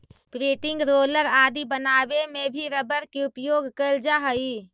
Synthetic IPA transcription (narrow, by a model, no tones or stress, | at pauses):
pɾeːʈɪ̃ŋɡɾoːləɾaːd̪ibənaːbemẽbʱiɾəbəɾkiʊpjoːɡʱkəld͡ʒaɦəi